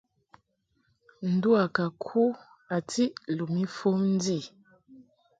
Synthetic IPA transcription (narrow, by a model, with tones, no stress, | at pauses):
n̩˨du˦a˨ka˨kʰu˦ | a˨ti˦lu˨mi˦fo˦n˦di˦˨